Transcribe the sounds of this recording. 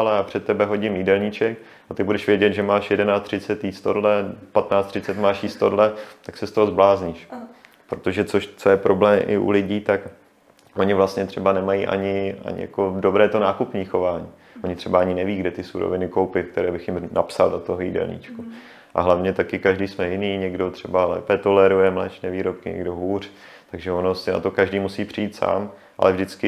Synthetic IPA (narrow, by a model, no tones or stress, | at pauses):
alɛjaːpr̥ɛt̪ːɛbɛɦo̞ɟɪmjiːdɛlɲit͡ʃɛk̚ | ʔat̪ɪbudɛʃvjɛɟɛd̪ʒɛmaːʃjɛdɛnaːtt͡st̪r̥ɪt͡sɛt̪jist̪odlɛpat̪naːt͡st̪rɪt͡sɛt̪maːʃjiːst̪o̰dlɛt̪aksɛst̪oɦozblaːzɲɪʃ | pɾot̪o̞ʒɛt͡soʃt͡sojɛpɾo̞blɛːmʔɪ̰ʔṵlɪɟiːt̪ak | ʔo̞ɲɪvlast̪ɲɛt̪r̥ɛbanɛmajḭʔa̰ɲɪa̰ɲɪ̰ja̰kodobɾɛːt̪o̞naːkupɲiːxo̞vaːɲiː | ʔoɲɪt̪r̝̥ɛbaaɲɪnɛviːɡdɛt̪ɪsuɾo̰vɪnɪkowpɪfk̚t̪ɛɾɛːbɪxjɪmna̰psa̰ldat̪oɦojḭdɛ̰lɲḭːt͡ʃku | ʔa̰ɦlavɲɛt̪akɪkaʒdiːsmɛjɪniːɲɛɡdo̞t̪r̝̥ɛbalɛ̰ːpɛt̪o̞lɛɾujɛmlɛt͡ʃnɛviːɾop̚kɪɲɛ̰ɡdo̞ɦuːr̝̥ | t̪aɡʒɛono̞sɪna̰t̪o̞kaʒdiːmusiːpr̥ɪjiːt̪sa̰ːm | ʔa̰lɛvʒdɪt͡skɪ